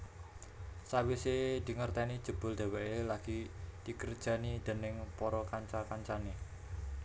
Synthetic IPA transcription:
sawised̪̥i̤ŋərt̪ɛnid̥ʒ̥ṳb̥ʊ̤ld̥̪a̤weelaɡ̥id̪̥i̤kərd̥ʒ̥ä̤nid̪̥e̤nɪŋpɔɾɔkaɲt͡ʃakaɲt͡ʃane

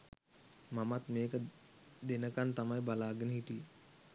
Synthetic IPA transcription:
mamat̪meːkə | d̪enəkant̪amajbalaːɡenəɦiti

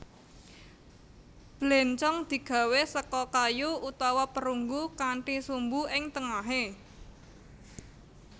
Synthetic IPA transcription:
b̥lɛnt͡ʃɔŋd̪̥i̤ɡ̥ä̤wesəkɔkajuut̪awapəɾuŋɡukaɳʈisumbuɪŋt̪əŋaɦe

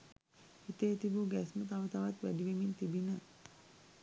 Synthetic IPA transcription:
it̪et̪ibuɡæsmət̪aʋət̪aʋat̪ʋæ̰ɖiʋemint̪ibinə

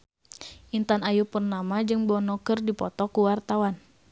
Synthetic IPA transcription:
ʔint̪anajupərnamad͡ʒɨŋbɔnɔkɨrdipɔt̪ɔkuwart̪awan

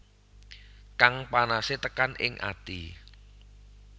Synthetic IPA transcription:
kaŋpanaset̪əkanʔɪ̰ŋʔa̰t̪ḭ

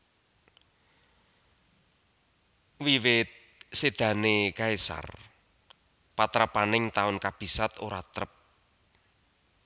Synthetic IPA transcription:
wiwɪt̪̚ | sed̪̥ä̤nekaesa̰r | pat̪ɾapanɪŋt̪aʊnkab̥i̤sat̪oɾat̪ɾəp̚

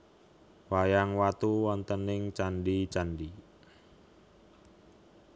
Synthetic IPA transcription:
wajaŋwat̪uwant̪ənɪŋt͡ʃanɖit͡ʃanɖi

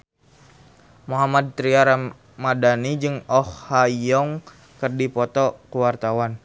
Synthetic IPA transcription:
muɦamad̪̚t̪ɾiaɾa | madanid͡ʒɨŋɔhhajɔŋ | kərdipɔt̪ɔkəwart̪awan

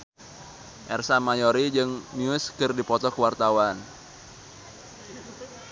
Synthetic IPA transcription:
ʔɛrsamajoɾid͡ʒɨŋniʊskɨrdipɔt̪ɔkəwart̪awan

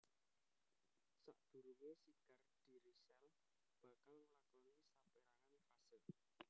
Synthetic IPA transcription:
sa̰ʔd̪̥ṳɾuŋesikard̥i̤ɾisɛl | b̥a̤kalməlakɔnisapeɾaŋanfasəl

